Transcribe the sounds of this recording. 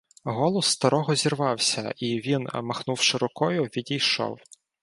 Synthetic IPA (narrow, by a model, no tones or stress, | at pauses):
ɦɔlˠɔsːt̪ɐɾɔɦɔzʲirʋɑwsʲɐ̰iʋʲinmɐxnuwʃeɾɔkɔjʊʋʲidʲijʃɔ̰w